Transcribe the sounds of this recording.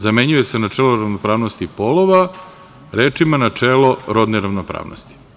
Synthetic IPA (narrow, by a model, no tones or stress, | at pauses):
zame̞ɲuje̞senat͡ʂeːloɾaʋnopɾaːʋnost̪ipolˠoʋa | ɾeːt͡ʂimanat͡ʂeːloɾod̪neɾaʋnopɾa̰ːʋno̰st̪i̥